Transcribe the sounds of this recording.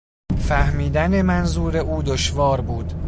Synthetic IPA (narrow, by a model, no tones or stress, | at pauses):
fæhmiːd̪ænemænzuːɾe̞uːd̪oʃvɒːɾbuːd̪̥